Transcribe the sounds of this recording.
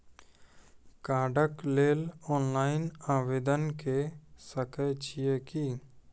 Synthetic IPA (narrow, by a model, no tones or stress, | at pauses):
kaːɖəkleːlɔːnlaːɪnaːʋeːd̪ənkesəkət͡ʃijekiː